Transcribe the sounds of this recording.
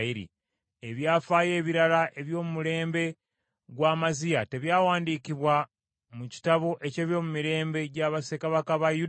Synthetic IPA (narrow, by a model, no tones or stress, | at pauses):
iɾḭ | e̞βjaːfaːje̞ːβiɾalaʔe̞βjo̞ːmumuɾe̞ːmbe̞ | ɡwaːmazijate̞βjaːwaːndiːkiβwa | muci̥taβo̞ʔe̞ce̞ːβjo̞ːmumiɾe̞ːmbe̞ɟaβasekaβakaβaju